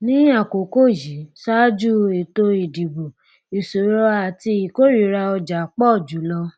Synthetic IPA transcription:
nĩ˦a˦˨ko˨ko˦˨ji˨˦sa˦d͡ʒu˦e˨to˧i˨di˨bo˨ | i˨so˨˦ɾɔ˧˦a˨ti˧i˨ko˦ɾi˨˦ɾa˧ɔ˧d͡ʒa˨˦k͡pɔ˦˨d͡ʒu˨˦lɔ˧

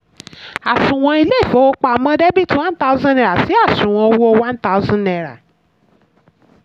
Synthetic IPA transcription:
a˨sũ˨w̃ɔ̃˧i˧le˦˨fo˨˦o˦˧k͡pa˨mã˧˦dɛ˦bi˦twã˦n˦ta˦u˦zã˦nɛ˨ɾa˨si˨˦a˦˨sũ˨w̃ɔ̃˧o˧wo˦o˦˧wã˦n˦ta˦u˦zɔ̃˦nɛ˨ɾa̰˨

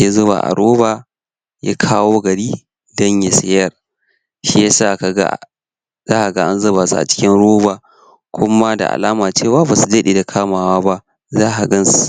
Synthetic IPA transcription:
ja˦zʊ˦ba̰ː˨ʔa̰˨ɽoː˦baː˨ | ja̰˦kʰaː˦woː˦ɡɐ˨ɽiː˦ | dɔ˦ɲja˦sɪ˦jɐ˦r | ʃi˦ja˦saː˦˨ka˨ɡa̰˦˨ | zaː˦ʔa˨ɡa˦ʔa˦nzɐ˦baː˨sṵ˦ʔa̰˨t͡ʃɪ̥˦kʲɪ˦nɽoː˦baː˨ | kʷʰʊ˦ma˦da̰˨ʔa̰˨laː˦maː˨t͡ʃeː˦˨waː˦baː˨su˨dɐ˦ɗeː˨da˨kʰaː˦maː˨waː˦ba˦ʔ | zaː˦ɦa˨ɡɐ˦nsu˨

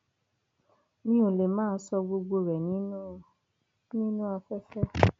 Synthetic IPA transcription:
nĩ˦o˨le˨mãː˦sɔ˧ɡ͡bo˧ɡ͡bo˧ɾɛ˨nĩ˨˦nũ˦ | nĩ˦nũ˦a˧fɛ˦fɛ˦

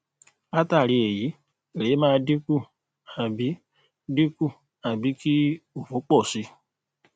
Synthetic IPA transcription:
a˦ta˦˨ɾi˧e˨ji˨˦ | e˨ɾe˨˦mãː˦˧˦di˦ku˦˨ | a˨bi˨˦ | di˦ku˦˨ | a˨bi˨˦ki˦o˨fo˨˦k͡pɔ˦˨si˧˦

